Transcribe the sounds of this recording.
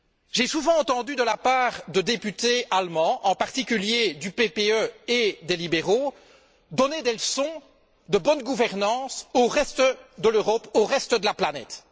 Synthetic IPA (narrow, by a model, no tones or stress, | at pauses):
ʒesuvɑ̃ɑ̃t̪ɑ̃d̪yd̪əlapaːʁd̪əd̪epyt̪ealmɑ̃ʔɑ̃paʁt̪ikʲyljed̪ypepeøed̪elibeʁo | d̪ɔned̪eləsɔ̃ | d̪əbɔnɡuvɛʁnɑ̃ːsoʁɛst̪d̪əløʁɔpoʁɛst̪əd̪əlaplanɛ̰t̪